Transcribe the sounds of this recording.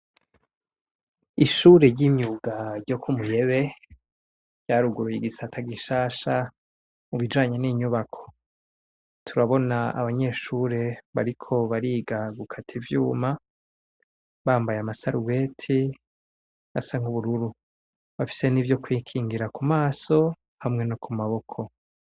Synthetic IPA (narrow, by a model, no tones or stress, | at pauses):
iʃuːɾe̞ɾɟiɲɲuɡaɾɟo̞kʰumuje̞βe̞ | ɟ̥aːɾuɡuɾujiɡisatʰaɡiʃaːʃa | muβid͡ʒaːɲe̞niːɲuβakʰo̞̥ | tʰuɾaβo̞naa̰βaɲe̞ʃuːɾe̞βaɾikʰo̞βaɾiːɡaɡukʰatʰivjuːma | βaːmbajamasaɾuwe̞ːtʰi | a̰saŋ̥huβuɾuɾu | βafi̥se̞nivjo̞kwiːkʰiːŋɡiɾakumaːso̞ | hamŋe̞nokʰumaβo̞kʰo̞